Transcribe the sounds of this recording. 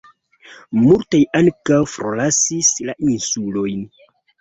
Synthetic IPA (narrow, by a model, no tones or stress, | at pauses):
multajaŋkawfɾolasislaʔinsulo̞jn